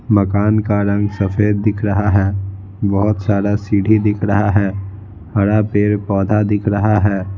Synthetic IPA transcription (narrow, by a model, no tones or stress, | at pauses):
mɐkaːnkaɾɐ̃ŋɡsɐfʰeːd̪̚ːɪkʰɾɐɦaɦɛː | bɔɦʊt̪saːɾasiːɽʱid̪ɪkʰɾəɦaɦɛː | hɐɽapeːɾpɔːd̪ʱad̪ɪkʰɾɐɦaɦɛː